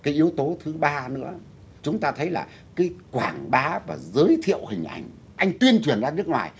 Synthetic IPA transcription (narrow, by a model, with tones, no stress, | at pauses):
kaː˨˦jʔi˨˦əwt̪o˨˦t̪ʰɨ˨˦ɓaː˧nɨ̰˧˥ə | t͡ɕʊ˨˦ŋ͡mt̪aː˧t̪ʰə˨˦jlaː˨˩ | kaː˨˦jkwaː˧˩ŋɓaː˨˦vaː˨˩zəː˨˦jt̪ʰḭ˧˨əwhï˨˩ŋ̟ʔa̰˧˩jŋ̟ | ʔa˧jŋ̟t̪wi˧ənt͡ɕwi˨˩ənzaː˧nɨ˦˥ək̚ŋwa̰ː˨˩j